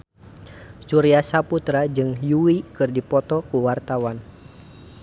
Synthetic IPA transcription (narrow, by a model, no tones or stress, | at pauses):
t͡ʃuɾiasaput̪ɾad͡ʒɨŋjuwikɨrdipɔt̪ɔkuwart̪awan